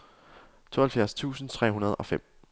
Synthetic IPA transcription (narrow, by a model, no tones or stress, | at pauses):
t͡sʰo̝ːhæl̩fjæɐst͡sʰṵːsn̩t͡sʰʁɛ̰ːɦunɐð̞ˠɒ̽fem̰